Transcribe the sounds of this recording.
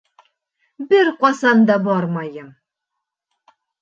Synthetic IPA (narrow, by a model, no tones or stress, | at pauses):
bɘɾqɒsɑnd̪ɑbɒɾmɑjɤm